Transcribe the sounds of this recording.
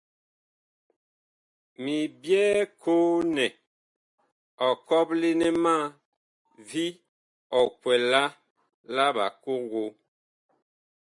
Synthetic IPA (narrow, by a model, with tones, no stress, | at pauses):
mi˨bjɛː˦kʰo˦nɛ˨ | ɔ˨kɔ˦p̚le˦nɛ˦ma˦ | vi˦ | ɔ˨kwɛ˨la˦ | la˦ba̰˨ko˦ɡo˦